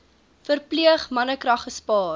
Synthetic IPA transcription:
fərpliəχmɐnəkrɐχːəspɑː

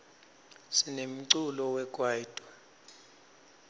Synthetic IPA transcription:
sinem̩ǀulɔwɛkʼwaid̥ʼʱɔ

